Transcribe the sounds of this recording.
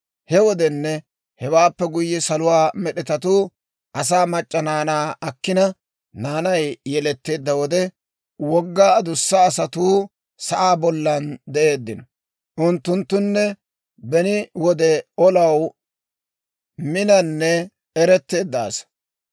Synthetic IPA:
hɛwɔd̪ɛnːɛ | hɛwaːpːɛɡʊjːɛsɐlʊwaːmɛɗɛt̪ɐt̪uː | ʔɐs̬aːmɐt͡ʃʼːɐnaːnaːɐkːɪnɐ | naːnɐjjɛlɛt̪ːe̞ːd̪ːɐwɔd̪ɛ | wɔɡːaːɐd̪ʊsːɐːsɐt̪uː | sɐʔaːbɔlːɐnd̪ɛʔe̞ːd̪ːɪnɔ | ʔʊnt̪ːʊnt̪ːʊnːɛ | bɛnɪwɔd̪ɛɔlɐw | mɪnɐnːɛ | ɛɾɛt̪ːe̞ːd̪ːa̰ːs

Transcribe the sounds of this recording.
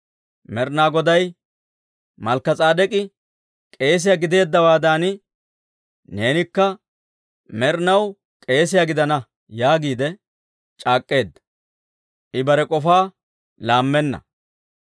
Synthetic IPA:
mɛɾnaːɡɔd̪ɐj | mɐlkːɐt͡sʼaːd̪ɛkʼɪ | kʼe̞ːs̬ɪjaɡɪd̪e̞ːd̪ːɐwaːd̪aːnɪ | ne̞ːnɪkːɐ | mɛɾnɐw | kʼe̞ːsɪjaɡɪd̪ɐnɐ | jaːɡiːd̪ɛ | t͡ʃʼaːkʼːe̞ːd̪ːɐ̥ | ʔɪbɐɾɛkʼɔfaː | laːmːɛnːɐ̰

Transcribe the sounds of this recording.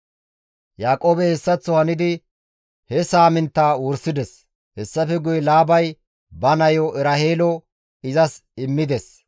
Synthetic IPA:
jaːkʼo̞ːbɛhɛsːɐt͡sːɔhɐnɪd̪ɪ | hɛsaːmɪnt̪ːaːwʊɾsɪd̪ɛs | hɛsːɐfɛɡʊjlaːbɐj | bɐnɐjoʔɛɾɐheːlɔ | ɪzɐsɪmːɪd̪ɛs

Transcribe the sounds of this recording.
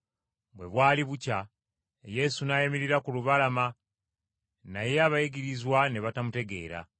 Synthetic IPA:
βwe̞βwaːliβuca | je̞sunaːjemiɾiɾakuluβalama | najeaβajiɡiɾizwane̞βatamute̞ɡe̞̰ːɾa̰

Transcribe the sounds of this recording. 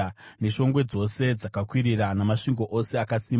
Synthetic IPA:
ne̞ʃo̞ŋɡwe̞d͡zo̞se̞d͡zakakwiɾiranamaʂiŋɡo̞ʔose̞akasiːm

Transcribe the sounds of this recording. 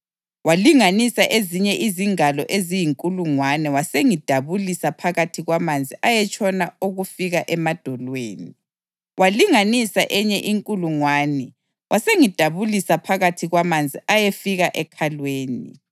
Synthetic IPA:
waliŋanisaʔeziɲɛʔiziŋalɔʔezijiŋkʼuluŋwanɛwaseŋid̥ʱaβulisapʰaɣatʰiɣwamand͡zʱiʔajɛt͡ʃʰʼɔnauɣufiɣaʔɛmad̥ʱɔlweːni | wʔaliŋanisaʔɛɲɛʔiŋkʼuluŋwaːnɛ | wʔaseŋid̥ʱaβulisapʰaɣatʰiɣwamand͡zʱiʔajefiɣaʔɛkʰalweːnḭ

